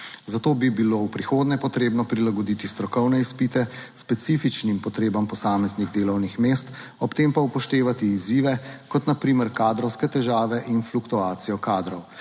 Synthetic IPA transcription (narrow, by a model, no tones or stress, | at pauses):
zat̪oːbibiloːwpɾixoːd̪nɛpɔt̪ɾeːbnɔpɾilaɡɔd̪iːt̪ist̪ɾɔkɔwnɛispiːt̪ɛspɛt̪siːfit͡ʃnimpɔt̪ɾeːbampɔsaːmɛzniɣd̪eːlɔwnixmeːst̪ | ɔpt̪eːmpaupɔʃt̪eːʋat̪iːziːʋɛkɔt̪napɾiːmɛɾkaːd̪ɾɔwskɛt̪ɛʒaːʋɛʔinflukt̪uaːt̪sijɔkaːd̪ɾɔw